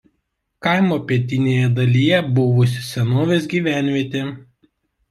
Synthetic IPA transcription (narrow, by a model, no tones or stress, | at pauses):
kɐɪmoːpʲiɛt̪ʲɪnʲeːjɛd̪ɐlʲiːjɛbʊʋʊsʲsʲɛnoːʋʲeːs̬ɡʲiːʋʲæˑnʲʋʲiɛt̪ʲeː